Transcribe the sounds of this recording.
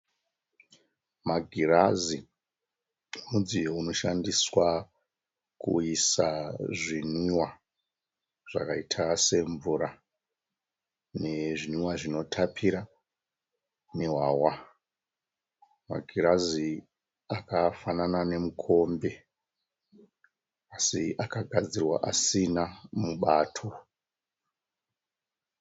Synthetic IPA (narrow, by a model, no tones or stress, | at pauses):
maɡʱirazi | mud͡ziɦuno̞ʃandiswa | kṵisaʐiniwa | ʐ̥a̰kaitʰase̞ɱvuɾa | ne̞ʐiniwaʐino̞tʰapʰiɾa | ne̞ɦwawa | ma̰ɡʱiɾazi | akafananane̞mukʰo̞mbe̞ | asiʔakaɡʱad͡zirwa̰ʔasinamuɓaːtʰo̞